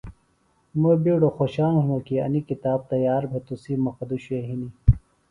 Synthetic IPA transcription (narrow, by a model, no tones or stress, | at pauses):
mobiɽoxoɕaːŋɦumokiɐ̰nikit̪aːb̚t̪ɐjaːɾbʱet̪usimɐxɐd̪uɕueɦini